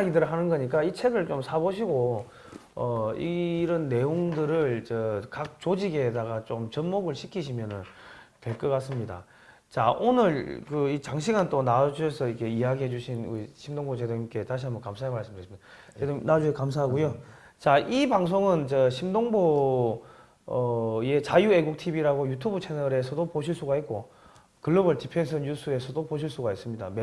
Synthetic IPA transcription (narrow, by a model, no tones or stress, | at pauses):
ɡidɯɾɯɭɦanɯnɡʌɲik͈ait͡ɕʰe̞ɡɯɭt͡ɕomsʰaboɕ̬ʰiɡo | ʌiɾʌnːe̞joŋdɯɾɯɭt͡ɕʌkak̚t͡ɕod͡ʑiɡedaɣat͡ɕomt͡ɕʌnmoɡɯɭɕʰikʰiɕʰimjʌnɯn | twe̞ɭk͈ʌk͈as͈ɯmɲida̰ | t͡ɕaʔonɯɭkɯit͡ɕaŋɕʰiɡant͈onad͡ʑuɦesʰʌikʰe̞iaɡiɦe̞d͡ʑuɕʰinuiɕʰimdoŋbot͡ɕe̞doŋk͈e̞taɕ̬ʰiɦambʌnkamsʰaemaɭs͈ɯmdɯsimida | edonad͡ʑuekamsʰaɦaɡojo | t͡ɕaʔibaŋs̬ʰoŋɯnt͡ɕeɕʰimdoŋbo | ʌje̞t͡ɕajue̞ɡuk̚tʰibiɾaɡojutʰubut͡ɕʰe̞nʌɾe̞sʰʌdopoɕʰiɭs͈uɡaɦit̚k͈o | kɯɭːʌbɯɭtipʰe̞ns̬ʰɯɲusʰɯe̞sʰʌdopoɕ̬ʰiɭs͈uɡais͈ɯmɲida̰me